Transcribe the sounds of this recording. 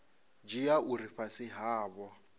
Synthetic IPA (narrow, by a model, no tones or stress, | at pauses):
d͡ʒijauɾifasɪɦaːbɔ